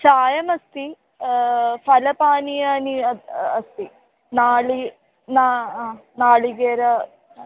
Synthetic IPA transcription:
saːjɐmɐst̪i | fʰɐlɐpaːnijaːniɐɐst̪i | naːɭi | naaːnaːɭiɡeːɾɐ

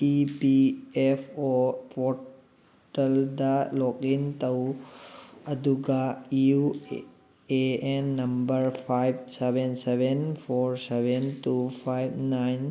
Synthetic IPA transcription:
ibiefopo | ʈəld̪alokint̪əw | əd̪ʱuɡaiu | eenːəmbəɾpʰajbseʋenseʋenfʰoɾseʋentufʰajʋnaɪn

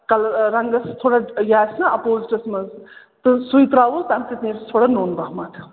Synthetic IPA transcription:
kɐlɾɐŋɡɐst̪ʰoːɽajaːsnaɐpoːziʈɐsmɐz | t̪ɨsuit̪ɾaːʋost̪amt̪it̪niɾt̪ʰoːɽanoːnbaːɦmɐt̪ʰ

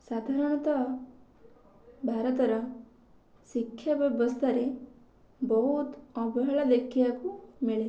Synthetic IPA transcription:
sad̪ʱaɾɐɽ̃ɔt̪ɐ | bʱaːɾʌt̪ɔɾɐ | sikʰːjabjɔbɔst̪ʰaɾe | bɔɦut̪ɔbɐɦɐɭɐd̪ekʰːijakumiɭe

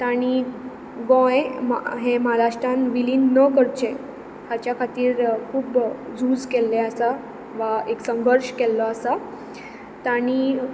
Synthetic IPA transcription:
t̪aɽ̃i | ɡɔ̃jɦẽməɦaɾaʂʈãnʋiliːnːəkəɾt͡ɕe | tat͡ɕjakʰat̪iːɾkʰuːbd͡zuːd͡zkelːeasa | ʋaeksəŋɡəɾɕkɛlːɔasa | t̪aɽ̃i

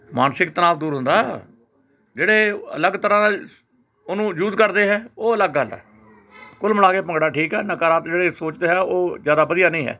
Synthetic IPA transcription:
maːnsɪk̚t̪ənaːʋd̪uːɾɦʊ̃nd̪aːɦ | d͡ʒeːɽeːə̰ləɡt̪əɾãː | ʊnũːjuːzkəɾd̪eːɦɛːoːələɡːəlɛ̰ː | kʊlməlaːkeːpə̃ŋɡɽaːʈʰiːkɦɛːnəkaːɾaːt̪d͡ʒeːɽeːsoːt͡ʃd̪eːɦɛːoːzjaːd̪aːbəd̪ijaːnəĩːɦɛ̰ː

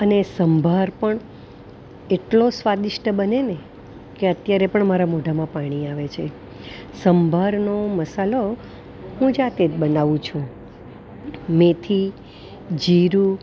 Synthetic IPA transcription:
ənesəmbʱaɾpəɳ | eʈlosʋad̪iʃʈəbənene | keət̪jaɾepəɳmaɾamoɖʱamãpaɽ̃iaʋet͡ʃʰe | səmbʱaɾnoməsalo | ɦũd͡ʒat̪et̪bənaʋũt͡ʃʰũ | met̪ʰi | d͡ʒiɾu

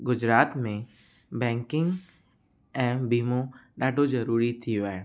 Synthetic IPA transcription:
ɡʊd͡ʒɾaːt̪mẽ | bɛ̃ːŋkɪ̃ŋɡ | ɛ̃ːbiːmõɖaːɖʱod͡ʒɐɾuːɾit̪ʰiʋɛː

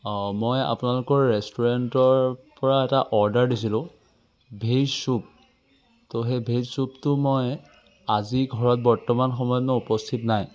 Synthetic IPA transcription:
mɔja̰pʊnalʊkɔɹːɛstuɹɛntɔɹpɔɹaɛtaʔɔɹdaɹdisilʊ̃ | bʱesup̚ | toxebʱezsuptʊmɔj | aziɡʱɔɹɔt̚bɔɹtːɔmanxɔmɔjɔnɔupɔstʰitnaj

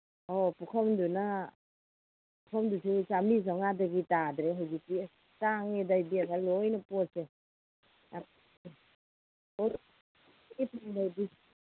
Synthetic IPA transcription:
opukʰɐmduna | pukʰɐmdususamizaŋadɐɡitadɾeɦawzikti | taŋedajbiaŋalojnɐpose | ap | o | ipaŋdajbi

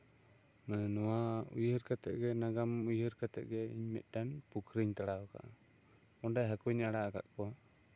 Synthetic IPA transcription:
mɛnɔwaṵjəɾkat̪ɛ̰ʔɡɛnaɡamujəɾkat̪ɛ̰ʔɡɛḭɲmɛ̰t̪̚ˀɖanpukʰɾiɲt̪aɽaɔka̰ʔ | ɔɳɖaɦakuɲaɽaaɡa̰t̪̚ˀpɔ

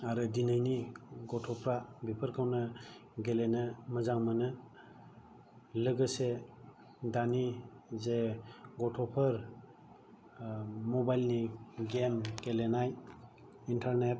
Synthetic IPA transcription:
aɾɯdinajniɡɔtʰɔpʰɾabipʰəɾkʰawnɯɡelenɯməzaŋmənɯ | lɯɡɯse | danizeɡɔtʰɔpʰəɾ | mɔbajlniɡemɡelenaj | intʰaɾnet̚

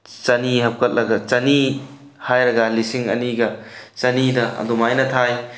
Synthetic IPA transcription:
t͡ʃɐniɦɐp̚kʰɐt̚lɐɡɐt͡ʃɐni | hajɾɐɡɐlisiŋɐ̰niɡɐt͡ʃɐnidɐɐ̰dumajnɐtʰaj

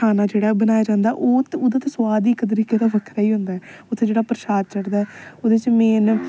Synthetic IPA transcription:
aːnãːd͡ʒeːɽaːbənaːjaːd͡ʒãːnd̪aːʔoːt̪oːd̪ːt̪eswaːd̪iːɪkːt̪əɾiːkeːd̪aːbəkʰɾaːiːɦʊ̃nd̪aːɛːʊt̪ʰːẽːd͡ʒeːɽaːpəɾʃaːd̪̚t͡ʃəɽd̪aːɛːoːd̪et͡ʃmeːn

